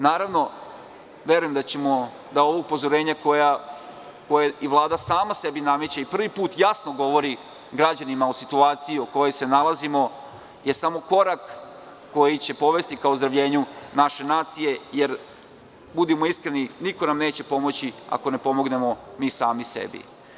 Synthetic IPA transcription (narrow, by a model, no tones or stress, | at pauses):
naːɾaʋno̞ | ʋje̞ɾujemd̪at͡ɕe̞mo̞ | d̪ao̞ʋoupo̞zo̞ɾe̞ːɲakoja | ko̞jeiʋlˠaːd̪asaːmase̞binamet͡ɕaipr̩ʋipuːt̪jasno̞ɡo̞ʋo̞ɾi | ɡɾad͡ʑanimaosit̪uaːt̪sijioko̞jo̞jse̞nalazimo̞ | je̞samo̞ko̞ɾakː | o̞jit͡ɕe̞po̞ʋe̞st̪ikaozd̪ɾaʋʎe̞ːɲunaʃe̞naːt̪sije̞je̞ɾ | bud̪imo̞iskɾe̞niniko̞namne̞ːt͡ɕe̞po̞mo̞t͡ɕia̰ko̞ne̞po̞mo̞ɡne̞mo̞miːsaːmisḛbḭ